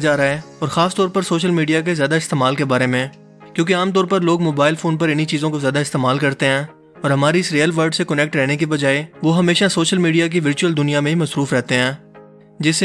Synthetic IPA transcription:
d͡ʒaːɾaeɔːɾxaːst̪ɔːɾpɐɾsoːʃəlmiːɖijak̬ezjaːd̪aɪst̪eːmaːlkebaːɾemẽ | kjõːk̬eaːmt̪ɔːɾpɐɾloːɡmoːbaːɪlfʰoːnpɐɾɪnit͡ʃiːzõkozjaːd̪aɪst̪eːmaːlkɐɾt̪eɦɛ̃ː | ɔːɾɦɐmaːɾiɪsɾiːəlʋəɾɖsekɐnɛk̚ʈɾɛɦnekibɐd͡ʒaːeʋoɦɐmeːʃasoːʃəlmiːɖijak̬iʋɪɾt͡ʃuəld̪ʊnijamẽɦimɐsɾuːfɾɛːt̪eɦɛ̃ː | d͡ʒɪs

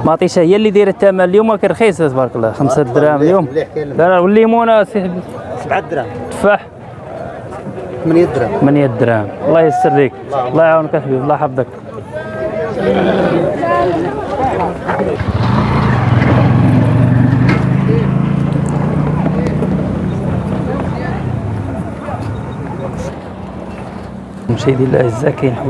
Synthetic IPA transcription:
mɑt̪ˤiʃæhəjːælːid̪iɾət̪ːæmæljumækæxis̬t̪bɑɾˤɑkəlːɑxəmsad̪ɾæmljumd̪ɑɾwəlːimunæsiħbsbʕd̪ɾt̪faħ | md̪ɾt̪mænjæt̪̚d̪ɾæmwlˤːɑjəsːəɾd̪ik | lˤːɑʕawnkæħbiblˤːɑħɑbd̪ək | mʃid̪jælʔæəzːakæjənħ

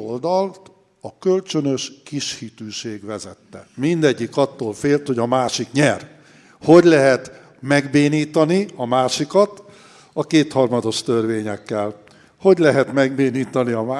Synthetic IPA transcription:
old̪ɒlt̪ | ɒkø̞lt͡ʃønø̞ʃkiʃhit̪yːʃeːɡʋɛzɛt̪ːɛ̰mind̪ɛɟːikɒt̪ːoːlfeːlt̪ho̞ɟɒmaːʃikɲɛr | ho̞ɟlɛɦɛt̪ | mɛɡbeːniːt̪ɒniɒmaːʃikɒt̪ | ɒkeːt̪hɒrmɒd̪o̞ʃt̪ørveːɲɛkːɛl | ho̞ɟlɛɦɛt̪mɛɡbeːniːt̪ɒniɒm

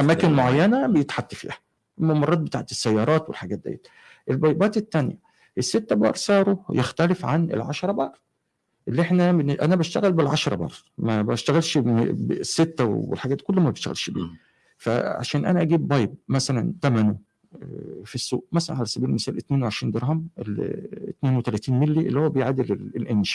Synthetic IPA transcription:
ʔæmæːkenmoʕajːænæbejet̪ħat̪ːɑfḭːhæ̥ | ʔemːæmːɑrˤːɑːt̪̚bet̪aːʕt̪esːæjːɑːɾˤɑːt̪welħaɡæːt̪̚d̪æ̰jæ̰t̪ | ʔelbɑjbæːt̪et̪ːænjæ̰ | ʔesːet̪ːæbɑ̰ːɾˤsˤɑːɾˤojext̪ælefʕanḛlʕaʃɑɾˤɑbɑːɾˤ | ʔelːiʔeħnæbenʔænæbæʃt̪æɣælbelʕaʃɾˤɑbɑ̰ːˤmæbæʃt̪æɣælʃebesːet̪ːæwwḛlħaɡæːt̪ːkolːmæbeʃt̪æ̰ɣæ̰lʃbḭː | fæ̰ʕa̰ʃæːnʔænæʔæɡiːbːɑjb̚mæsælænt̪æmæno | fisːṵːʔmæsælænʕalæsæbiːlemesæːlʔet̪neːnweʕeʃɾiːnd̪eɾˤɦɑmʔḛlt̪neːnwet̪ælæt̪iːnmelːiʔelːihowæbejʕad̪elelelʔenʃæ̥

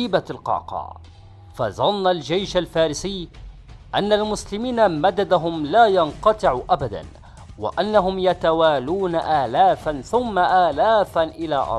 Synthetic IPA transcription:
iːbalqɑ̰ːqɑ̰ː | faðˤɑnːald͡ʒajʃalfaːɾɪsɪjː | ʔanːalmʊslɪmiːnamad̪ad̪aɦʊmlaːjɑnqɑt̪ˤɨʕuʔabad̪a̰n | wɪ̰ʔanːaɦʊmjat̪awaːluːnaʔaːlaːfanθʊmːaʔaːlaːfaʔɪlaːʔɑ̰ɾˤ

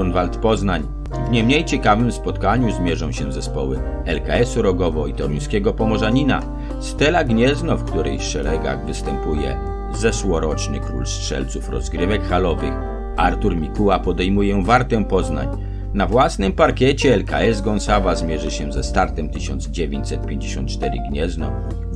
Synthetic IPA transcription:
ɔnvalt̪pɔznaɲ | vɲɛmɲejt͡ɕɛkavɘmspɔt̪kaɲuzmʲjɛʐɔ̃w̃ɕɛ̃zɛspɔwɘ̰ | ɛlka̰ɛsuɾɔɡɔvɔit̪ɔɾuj̃skʲɛɡɔpɔmɔʐaɲina̰ | st̪ɛlaɡɲɛznɔfkt̪uɾɛ̰jʂɛɾɛɡa̰ɣvɘst̪ɛmpujɛ̰ | zɛʂwɔɾɔt͡ʂnɘ̰kɾṵlstʂɛ̰lt̪sufɾɔ̰zɡɾɘvɛkxalɔvɘx | aɾt̪uɾmʲikuwapɔd̪ɛjmujɛvaɾt̪ɛ̃pɔzna̰ɲ | navwasnɘmpaɾkʲɛt͡ɕɛːlka̰ɛzɡɔnsavazmʲjɛʐɘɕɛzɛst̪aɾt̪ɛmt̪ɘɕɔnd̪zd͡ʑevʲḛ̃ɲt͡ɕsɛt̪̚pʲjeɲd͡ʑeɕɔ̰nt̪̚t͡ʂt̪ɛɾɘ̰ɡɲɛznɔ̰

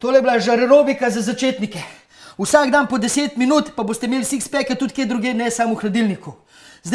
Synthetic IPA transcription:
t̪oːlɛjbilaʒaɾɛɾoːbikazazat͡ʃeːt̪nikɛ | usaːɡd̪anpɔd̪ɛseːt̪minut̪paboːst̪ɛmeːlsikspɛːkat̪ut̪ked̪ɾuɡeːnɛsaːmuxlad̪ilniku | zd̪

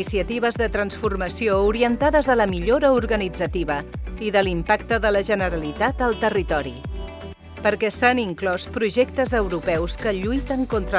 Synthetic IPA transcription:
isiət̪iβ̞əzðət̪ɾənsfurməsiouɾiənt̪aðəzðələmiʎoɾəuɾɣənid͡zət̪iβəiðəlimpakt̪əðələʒənəɾəlit̪at̪əlˠt̪ərit̪ɔɾḭ | pəɾkɛsəniŋklɔspɾuʒɛkt̪əzəwɾupɛwskəʎujt̪əŋkont̪ɾə

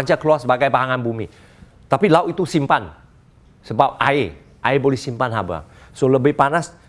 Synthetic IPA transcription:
ɲt͡ʃakəluarsəbaɡajbaɦaŋanbumi | t̪apilauʔit̪usimpan | səbap̚a̰e | ʔaebolɛhsimpanɦaba̰soləbɪhpanas

